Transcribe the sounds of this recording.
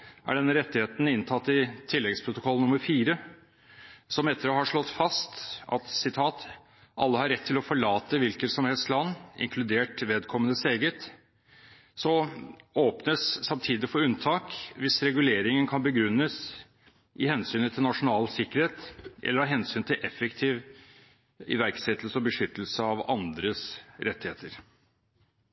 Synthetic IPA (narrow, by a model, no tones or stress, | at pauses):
ʔæ̰ɖɛnːəɾɛt̪ːɪheːt̪n̩ɪnt̪ʰɑt̪ːɪt̪ʰɪlːɛɡspʰɾʊt̪ʊkʰɔlːnʊməɾfiːɾə | sɔmɛt̪ːəɾəhɑʂɭɔt̪fɑst̪ʔɑ̰t̪sɪt̪ʰɑːt̪ | ʔɑ̰lːəhɑɾɛt̪ʰːɪlɔfɔɭɑːt̪əʋɪlkəsɔmhɛlst̪lɑnːɪ̰ŋkʰlʉd̪eːʈʋeːd̪kʰɔmːənəseːɡət̪ | sɔoːpnəsːɑmt̪ʰiːd̪ɪfɔɾʉnt̪ʰɑːkʋɪsɾɛɡʉleːɾɪŋənkʰɑnbəɡɾʉnːəs | ʔɪhɛnsyːnət̪ʰɪlnɑʂʊnɑːlsɪkːəɾheːt̪ʔɛ̰lːəɾhɑɾɦɛnsyːnt̪ʰɪlʔɛfəkt̪ʰiːʋ | ɪ̰ʋæɾksɛt̪ːlsəɔbəʂʏt̪ːəl̩səɑʋɑ̰nd̪ɾəsɾɛt̪ːɪheːt̪əɾ